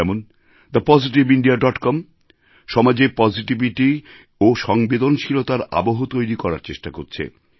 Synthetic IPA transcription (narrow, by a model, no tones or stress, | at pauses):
ɛmon | d̪apɔd͡ʑiʈ̬ibiɳɖiaɖɔʈkɔm | ʃɔmad͡ʑepɔd͡ʑiʈibiʈi | oʃɔŋbed̪onʃʰilot̪aɾa̰boɦot̪ojɾikɔɾa̰ɾt͡ɕeʃʈakoɾt͡ɕʰḛ